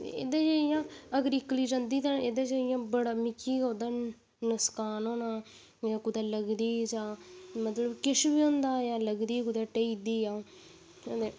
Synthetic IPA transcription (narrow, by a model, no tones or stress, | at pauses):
ḛːd̪eːd͡ʒeɪjãːəɡəɾɪkːliːd͡ʒə̃ːnd̪iːt̪ãːneːd̪eːd͡ʒeɪjãːbəɽaːmɪkʰːiːɡoːd̪aː | nəskaːnõːnaː | jãːkʊd̪aːləɡd̪iːd͡ʒãːmət̪ləbkɪʃbiːõːnd̪aːjãːləɡd̪iːkʊd̪aːʈəid̪iːjãː | ed̪e